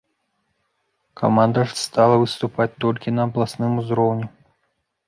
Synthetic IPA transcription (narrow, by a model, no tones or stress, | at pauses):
kʰa̰mand̪ɐʂst̪alˠɐvɨst̪upat͡sʲt̪ɔlʲkʲinɐːblˠasnɨmuzɾɔwnʲɛ